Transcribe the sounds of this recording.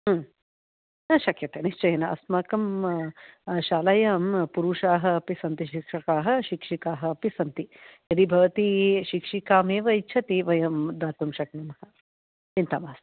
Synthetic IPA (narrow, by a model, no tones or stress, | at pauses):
ʃɐkjɐt̪eniʃt͡ʃɐjɐnɐɐ̰smɐːkɐm | ʃaːlɐjaːmpuɾuːʂaːɦɐ̆ɐpisɐnt̪iʃikʂɐkaːɦɐ̆ʃikʂikaːɦɐ̆ɐpisɐnt̪ijɐd̪ibʱɐʋɐt̪iʃikʂikaːmeːʋɐjt͡ʃʰɐt̪iʋɐjɐmd̪aːt̪umʃɐknɐmhɐ | t͡ʃint̪ɐmaːst̪